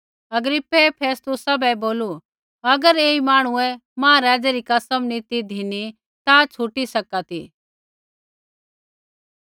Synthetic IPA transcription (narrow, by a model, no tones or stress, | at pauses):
ɐɡɾɪpːɛpʰeːst̪ʊsabɛboːlu | ɐɡəɾeːimaːɽ̃ʊɛmãːaɾaːd͡ʒɛɾikɐsəmnit̪id̪ʱini | t̪at͡ʃʰuʈisɐkat̪i